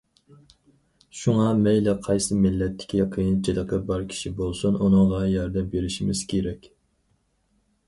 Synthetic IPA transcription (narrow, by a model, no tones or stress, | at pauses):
ʃuŋɑmɛjlɪqʰɑjsɨmɪlːɛt̪ʰːɪ̥kʲʰiqʰijint͡ʃʰid̪əqʰəbɑɾkʲʰi̥ʃibolˠsununɨŋʁɑjɑɾd̪ɛmbeɾɪʃimɪz̥kʲʰeɾɛkʲ